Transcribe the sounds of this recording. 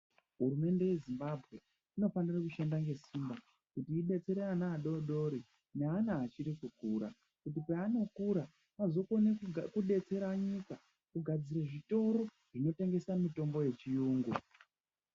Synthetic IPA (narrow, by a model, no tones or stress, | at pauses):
ɦuɾume̞nde̞je̞zimbabʱɣe̞ | ino̞fanirakuʃendaŋɡe̞simba | kutiːɗe̞t͡se̞ɾeanaːɗoɗo̞ɾi | neanaːt͡ʃiɾikukuːɾa̰ | kutipeano̞kuɾa | mazo̞konekuɗe̞t͡se̞ɾaɲika | kuɡʱad͡ziɾeʐito̞ɾo̞ | ʐ̥ino̞te̞ŋɡe̞samito̞mbo̞je̞t͡ʃijuːŋɡu